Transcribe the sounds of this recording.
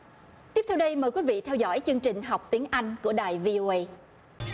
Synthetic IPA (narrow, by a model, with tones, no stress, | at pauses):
t̪i˦˥əpt̪ʰwɗə˧jməː˨˩jkwi˨˦vḭ˧˨t̪ʰɛ˧wzɔ̰˧˥jt͡ɕɨ˧əŋt͡ɕï˨˩ŋ̟ɦa˨˩wk͡p̚t̪i˨˦əŋʔa˧jŋ̟ku˧˩əɗaː˨˩jvi˧ʔo˧ʔə˧j